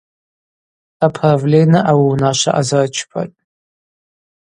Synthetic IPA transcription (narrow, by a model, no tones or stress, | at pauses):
apʰravlʲenɨʔawiwunaʃʷa̰ʔazart͡ʃʰpʰa̰tʼ